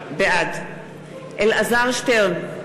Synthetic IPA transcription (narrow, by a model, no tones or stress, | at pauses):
bead̪ | ʔelazaʁʃteʁn